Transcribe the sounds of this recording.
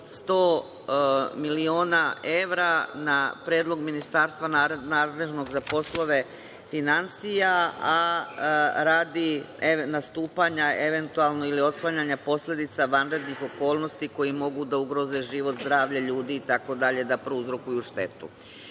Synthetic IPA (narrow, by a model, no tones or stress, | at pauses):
st̪o̞ː | milio̞ːnae̞ʋɾanapɾjeːd̪lˠo̞ɡminist̪aːɾst̪ʋananaːd̪le̞ʒno̞ɡzapo̞slˠo̞ʋe̞ | finansijaa | ɾaːd̪ienast̪uːpaɲaeʋe̞nt̪ualˠnoilio̞t̪klˠaɲaɲapo̞slʎe̞d̪it̪saʋanɾe̞d̪nixo̞ko̞ːlˠno̞st̪iko̞jimo̞ɡud̪auɡɾo̞ze̞ʒiʋo̞t̪zd̪ɾaːʋʎaʎuːd̪iːt̪ako̞d̪aʎe̞d̪apɾouzɾokujuʃt̪e̞t̪ṵ